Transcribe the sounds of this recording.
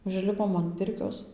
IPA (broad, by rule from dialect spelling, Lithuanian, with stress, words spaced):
ʊʒʲˈlʲɪpoːm ɐn ˈpʲɪrʲkʲoːs